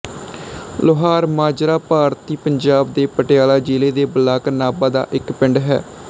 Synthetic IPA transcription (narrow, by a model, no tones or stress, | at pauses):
lʊɦaːɾmaːd͡ʒɾaːpaːɾt̪iːpəɲd͡ʒaːbd̪eːpəʈɪjaːlaːd͡ʒeːleːd̪eːbəlaːknaːbaːd̪a̰ːʔɪkpɪɳɖɦɛ̰ː